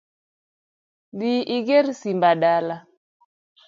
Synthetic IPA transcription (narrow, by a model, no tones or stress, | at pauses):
diʔiɡeɾsimbaɗala